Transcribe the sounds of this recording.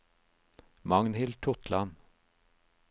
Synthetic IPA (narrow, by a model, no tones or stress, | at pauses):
mɑŋnhɪlt̪ʰʊt̪ʰlɑn